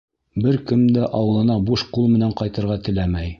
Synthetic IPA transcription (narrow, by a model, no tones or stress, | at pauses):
bɘɾkɘ̆md̪æʔɑwɤ̆lˠɤ̆nɑbuʃqulˠmɘ̆næɴqɑjt̪ɤ̆ɾʁɑt̪ɘ̆læmæj